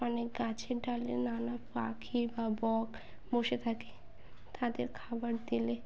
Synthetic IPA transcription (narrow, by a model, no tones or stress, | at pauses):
ɔnek̚ɡat͡ɕʰeɖalḛnanapa̰kʰibabɔɡ | boʃet̪ʰake̥ | t̪ʰad̪eɾkʰabaɾd̪ile